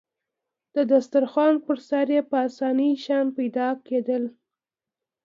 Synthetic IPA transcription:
d̪̥əd̪ast̪aɾxwɑnpəɾsaɾjepəasɑniʃɑnpajd̪ɑked̪əl

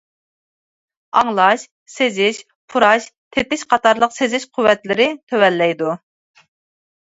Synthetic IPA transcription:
ɑŋlˠɑʃ | sezɪʃ | pʰuɾɑʃt̪ʰet̪ɪʃqʰɑt̪ɑɾlˠəqsezɪʃqʰuwːɛt̪lɪɾɪt̪ʰøwɛlːɛjd̪u

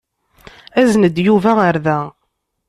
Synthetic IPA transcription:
æznəd̪juvæaɾðæ

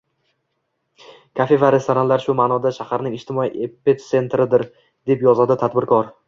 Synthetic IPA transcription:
kʰafe̞vaɾe̞st̪ʰoɾanlaɾʃʊmaːnɒd̪aʃahaɾnɪŋɪʃt̪ɪmɒiʔepːet̪se̞nt̪ɾɪd̪ɪɾ | d̪̥e̞pjɒzad̪ɪt̪ʰad̪bɪɾkʰɒɾ

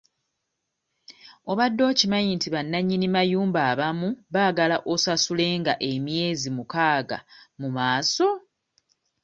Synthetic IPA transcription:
o̞βadːo̞ːcimaɲiːntiβanːaɲːinimajuːmbaːβamuβaːɡalaʔo̞sasule̞ːŋɡaʔe̞mje̞ːzimukaːɡa̰mumaːso̞

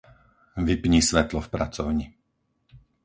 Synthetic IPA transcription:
ʋipɲisʋɛt̪lɔfpɾa̰t͡sɔʊɲi

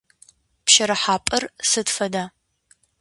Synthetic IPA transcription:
pʃɐɾɐħaːpʼɐrsɨtfɐdaː

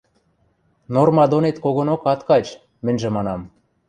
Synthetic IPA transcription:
normɑd̪onet̪koɣonokɑt̪kɑt͡ɕ | mɘ̆nʲʒĕmɑnɑm

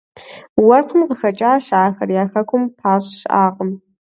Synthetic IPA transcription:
wɐrqʰəmqəxɐt͡ʃʼaːʃaːxɐrjaːxɐkʷʰʊmpʰaːɕʼʃʔaːʁəm

